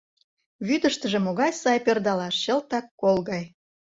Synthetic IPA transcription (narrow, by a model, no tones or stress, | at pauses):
βyd̪ə̆ʃt̪ə̆ʒĕmoɣɑjsɑjpørd̪ɑlɑʃɕə̆lt̪ɑkːolɣɑj